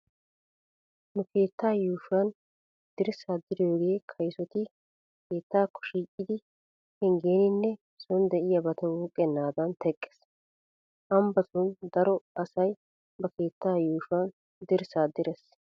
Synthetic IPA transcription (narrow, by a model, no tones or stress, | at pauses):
nʊke̞ːt̪ːaːjuːfɐn | d̪̥ɪɾsaːd̪ɪɾjoːɡe̞ːkʰɐjsɔt̪ɪ | kʰe̞ːt̪ːaːkʰːɔ̥ʃiːkʼːɪd̪ɪ | hɛŋɡe̞ːnɪnːɛ | sɔnd̪ɛʔɪjabɐt̪ɛwuːkʼːɛnːaːd̪ɐnt̪ʰɛkʼːɛ̥s | ʔɐmbɐt̪ʊnd̪ɐɾɔɐsɐj | bɐke̞ːt̪ːaːjuːʃɐn | d̪ɪɾsaːd̪ːɪɾɛs